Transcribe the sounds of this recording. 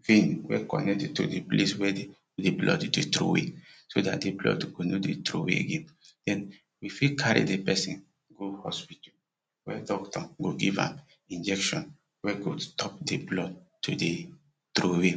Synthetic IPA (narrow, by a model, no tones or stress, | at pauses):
fẽnwɛ̰kɔ̰nɛk̚tɛtudepleswɛ | deblɔ̰ddetɾo̰wḛsoda̰t̚deblɔ̰dɡ̥onodetɾo̰wḛɡẽ | d̥ɛ̃n | wifikʰaɹḭdepɛsĩn | ɡohɔspitu | wɛdɔktɔɡoɡivã̰m | ĩnd͡ʒɛkʃɔ̃n | wɛɡostɔp̚deblɔd̚tːude | tɾowe